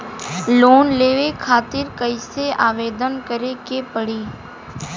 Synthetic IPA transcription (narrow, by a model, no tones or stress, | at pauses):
loːnleːʋekʰaːt̪ɪɾkəɪseaːʋeːd̪ənkəɾekepəɽiː